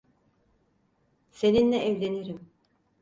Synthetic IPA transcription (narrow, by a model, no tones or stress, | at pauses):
se̞ninlɛʔːvlʲe̞niɾim